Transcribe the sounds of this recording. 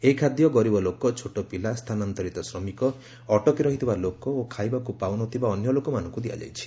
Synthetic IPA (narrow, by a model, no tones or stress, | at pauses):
eɦikʰad̪jɔɡɔɾibɔlokɔt͡ʃʰoʈɔpilast̪ʰanant̪ɔɾit̪ɔsɾɔmikɔː | ʈɔkiɾɔɦit̪ʰibalokɔokʰajbakupawnɔt̪ʰibaɔnjɔlokɔmanɔ̃ŋkud̪ija̰d͡ʒa̰jt͡ʃʰi̥